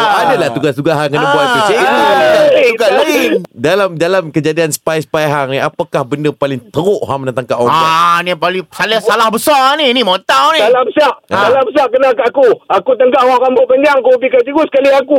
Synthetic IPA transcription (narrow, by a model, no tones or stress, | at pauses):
adalaht̪uɡast̪uɡaɦaŋkənəbuanit͡ʃeaauɡasladalamdalamkəd͡ʒadiansə̥pajsə̥pajɦaŋniapakahbəndəpalɪŋt̪əɾoʔɦamdant̪aŋkaʔwɔanipalisalaalahbəsɔaninimõt̪awnĩalabəsaʔdalabəsaʔkənakaʔakuakut̪əŋkaʔwɔkambopəɲd͡ʒaŋkupikad͡ʒiɡusə̥kaliaku